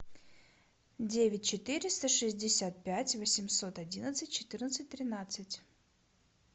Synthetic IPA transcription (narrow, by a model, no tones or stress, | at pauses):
dʲevʲɪt̚ʲt͡ɕɪt̪ɨɾʲɪst̪əʂɨzʲdʲɪsʲat̪̚pʲætʲvəsʲɪmso̞t̪ɐdʲinət̪sɨt̚ʲt͡ɕɪ̥t̪ɨrnət̪sɨt̚ʲt̪ɾʲɪnat̪sɨtʲ